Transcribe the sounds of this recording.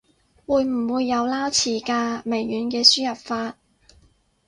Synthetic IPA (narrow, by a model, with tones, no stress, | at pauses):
wuː˨˧jm̩˨˩wuː˨˧jːɐ˨˧wlaː˥wt͡sʰiː˨˩kaː˧me˨˩jːyː˨˥nkɛː˧syː˥jɐ˨p̚faː˧t̚